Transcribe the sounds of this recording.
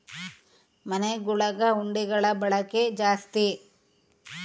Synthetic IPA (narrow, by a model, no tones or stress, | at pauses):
mɐneɡuɭɐɡɐuɳɖiɡɐɭɐbɐɭɐked͡ʒaːst̪i